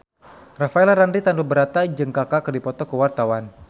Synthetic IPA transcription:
rafaɛlaɾandɾit̪andubəɾat̪ad͡ʒɨŋkakakərdipɔt̪ɔkəwart̪awan

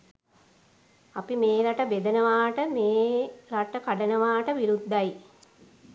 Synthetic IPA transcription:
apimeːlaʈəbed̪ənəʋaːʈəmeːlaʈəkaɖənəʋaːʈəʋiɾud̪ːaj

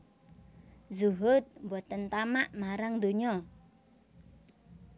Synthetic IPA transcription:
zuɦʊt̪̚mbɔt̪ənt̪amaʔmaɾaŋd̪o̤ɲɔ

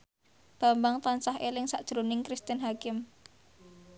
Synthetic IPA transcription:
b̥a̤mbaŋt̪ansaɦelɪŋsaʔd̥ʒ̥ɾonɪŋkɾist̪ənɦakɪm

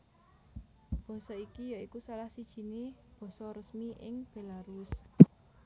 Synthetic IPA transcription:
b̥ɔ̤sɔikijaikusalahsid̥ʒ̥i̤neb̥ɔ̤sɔɾəsmiʔɪŋb̥e̤laɾʊs

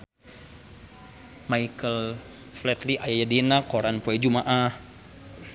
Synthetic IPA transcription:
majkəl | flɛt̪liʔajajadinakoɾanpoɛd͡ʒumaʔah

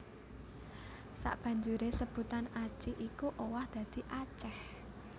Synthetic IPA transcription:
sa̰ʔb̥ä̤ɲd͡ʒuɾesəb̥ṳt̪anḁt͡ʃiʔikuʔowahd̪̥ä̤d̪̥i̤ʔat͡ʃɛh

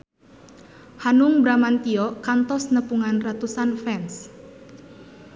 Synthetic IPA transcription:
hanuŋbɾamant̪iɔkant̪ɔsnəpuŋanrat̪usanfɛns

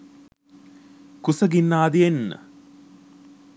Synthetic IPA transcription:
kusɐɡinːaːd̪ienːə̰

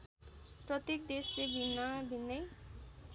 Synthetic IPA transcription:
prʌt̪ek̚d̪eslebʱinːʌbʱinːʌj

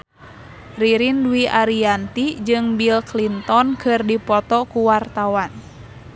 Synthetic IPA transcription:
riɾinduiʔaɾiant̪id͡ʒɨŋbilklint̪ɔnkʰɨrdipɔt̪ɔkuwart̪awan

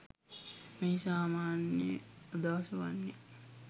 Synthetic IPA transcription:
meːsaːmaːnjead̪aʋɐsɐʋa̰nːe

